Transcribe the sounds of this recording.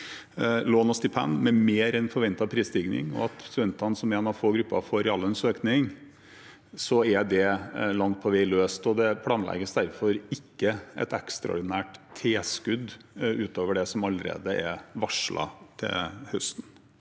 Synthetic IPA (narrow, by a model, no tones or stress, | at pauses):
loːnɔst̪ɪpʰæ̰nmɛmeːɾɛnfɔɾʋɛnt̪ɑpʰɾiːst̪ɪɡnɪ̰ŋɔ̰ɑt̪fɔʋɛnt̪ɑnsɔmeːnɑʋfoːɡɾʉpːɑ̰foːɾɪɑlənsøːknɪŋ | sɔɛɖ̪ɛlɑŋt̪̚pʰɔʋɛɪløːst̪ɔd̪ɛpʰlɑːnlɛ̰ɡəsd̪æɾfɔɾɪkːəɛ̰t̪ɛkst̪ɾɑɔ̰ɾɖ̪ɪnæːʈt̪ʰːeːskʉd̪ːʉːt̪oːʋəɖɛsɔmɑlːəɾḛːd̪əʔɛʋɑʂɭɑ̰t̪ʰɪ̰lhœst̪n